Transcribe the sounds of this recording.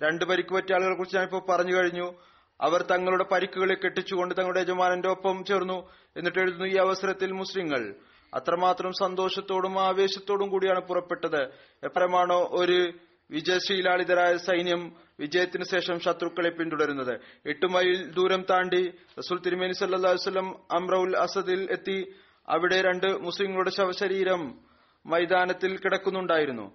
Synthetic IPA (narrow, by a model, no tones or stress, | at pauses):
ɾe̞ɳɖɨpɐɾikʲːupɐtːiaːɭɣɐɭkurit͡ɕːiɲaːnipːoːɭpɐrɐɲːukɐɻiɲːu | ɐ̰ʋɐrt̪ɐŋːɐɭuɽe̞pɐɾikʲːuɣɐɭekːe̞ʈːit͡ɕːuɣo̞ɳɖɨt̪ɐŋɐɭuɽeed͡ʑɐmaːnɐnde̞o̞pːɐmt͡ɕe̞ːrnːu | e̞nːiʈːe̞ɻuðunːuiːɐʋɐsɐɾɐt̪ːilmusliŋːɐɭ | ɐ̰t̪rɐmaːt̪rɐmsɐnd̪o̞ːʂɐt̪ːo̞ːɽumaːʋe̞ːɕɐt̪ːo̞ːɽumkuːɽijaːɳɨpurɐpːe̞ʈːɐðɨ | epːɐɾɐmaːɳoʔo̞ɾu | ʋid͡ʑɐjɐsijlaːɭiðɐɾaːjɐsɐjnjɐm | ʋid͡ʑɐjɐt̪ːinɨɕe̞ːʂɐmɕɐt̪rukːɐɭepːimt̪uɽɐɾunːɐðɨeʈːumɐjild̪uːɾɐmt̪aːɳɖirɐsuːlt̪iɾimɐnisɐlːɐlːaːljsɐlːɐmɐmrɐulɐsɐðile̞t̪ːi | ɐ̰ʋiɽe̞ɾe̞ɳɖɨmusliŋːɐɭuɽe̞ɕɐʋɐɕɐɾiːɾɐmː | ɐjd̪aːnɐt̪ːilkiɽɐkːunːuɳɖaːjiɾunːṵ